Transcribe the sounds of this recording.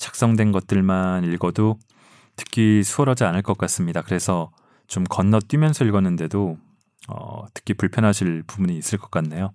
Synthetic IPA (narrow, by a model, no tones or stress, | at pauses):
t͡ɕʰḁk̚s͈ʌŋdwe̞nɡʌt̚t͈ɯɭmaniɭɡʌdo | tʰɯ̥kʰisʰuʌɾʌd͡ʑianɯɭk͈ʌk͈as͈ɯmɲidakɯɾe̞sʰʌ | t͡ɕomkʌnːʌt͈wɥimjʌnsʰʌiɭɡʌnːɯnde̞do | ʌ̰tʰɯ̥kʰipuɭpʰjʌnɦaɕʰiɭpubuɲiːs͈ɯɭk͈ʌk͈anːe̞jo